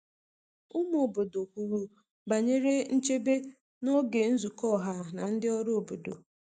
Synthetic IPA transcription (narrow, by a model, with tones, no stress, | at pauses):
ʊ˦m˦o˨bo˨do˨kʷu˨ɾu˦ | ba˨ɲe˦ɾe˦n̩˦t͡ʃe˦be˦ | no˦ɡe˨n̩˦zu˨kɔ˦˨ɦa˦na˨n̩˦dɪ˦ɔ˦ɾo˦o˨bo˨do̰˨